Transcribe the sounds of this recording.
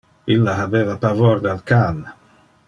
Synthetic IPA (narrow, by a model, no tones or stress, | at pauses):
ilːaɦaveːvapavoɾd̪alkal